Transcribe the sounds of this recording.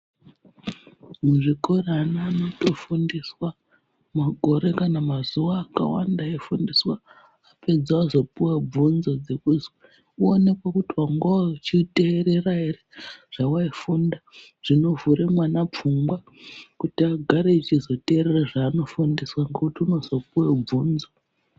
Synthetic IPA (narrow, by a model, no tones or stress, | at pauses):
muʐiko̞ranaːno̞to̞fundiswa | maɡʱo̞ɾe̞kanamazuwaːka̰wa̰ndaifundiswa | ape̞d͡zwaːzo̞puwab͡vunzo̞d͡ze̞kuzwe | uone̞kwakutiwaŋɡoat͡ʃite̞ːɾe̞raireʐ̥awaifunda | ʐ̥ino̞vuɾemwanap͡fumɡwa | kutiaɡʱaɾeit͡ʃizo̞te̞ːɾe̞raʐaːno̞fundiswaŋɡe̞kutiuno̞zo̞puweub͡vuːnzo